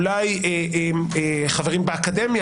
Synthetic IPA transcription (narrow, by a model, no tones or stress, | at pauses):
laje | emeχaveʁimbeakad̪emja